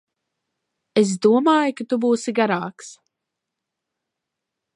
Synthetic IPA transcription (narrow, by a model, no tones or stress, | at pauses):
es̬d̪uɔmaːjukat̪ubuːsiɡaɾaːks